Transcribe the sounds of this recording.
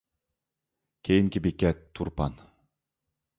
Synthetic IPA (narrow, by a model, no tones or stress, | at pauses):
kʲʰejiŋkʲibikʲːɛt̪ʰːuɾpɑ̰n